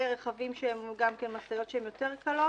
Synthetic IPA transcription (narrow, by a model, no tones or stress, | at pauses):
eʁeχavimʃehemɡamkenmasajo̞tʃeemjo̞te̞ʁkalo̞